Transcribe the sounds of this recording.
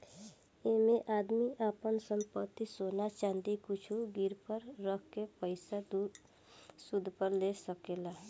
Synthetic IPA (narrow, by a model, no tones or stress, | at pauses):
emẽʔaːd̪miʔaːpənsə̃mpət̪ːisoːnat͡ʃãːnd̪ikʊt͡ʃʰuɡɪɾpəɾːəkʰkepəɪsad̪uː | sʊd̪ʱpəɾlesəkeːlaː